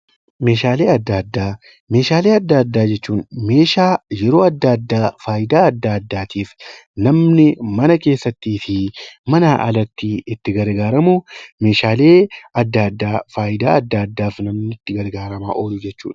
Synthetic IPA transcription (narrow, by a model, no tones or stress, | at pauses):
me̞ːʃaːle̞ːɐd̪ːad̪ːaː | me̞ːʃaːle̞ːɐd̪ːaːɐd̪ːaːd͡ʒɛt͡ʃːuːnme̞ːʃaːjɛɾo̞ːɐd̪ːad̪ːaːfaːjɪd̪aːɐd̪ːaːɐd̪ːaːt̪ʰiːfnɐmnɪmɐnɐke̞ːsːɐt̪ːiːfɪmɐnaːʔɐ̰lɐt̪ːiːɪt̪ːɪɡɐɾɡaːɾɐmume̞ːʃaːle̞ːɐd̪ːaɐd̪ːaːfaːjɪd̪a̰ːɐd̪ːaːɐd̪ːaːfnɐmnɪt̪ːɪɡɐɾɡaːɾɐma̰ːʔoːlʊd͡ʒɛt͡ʃːṵːᶑ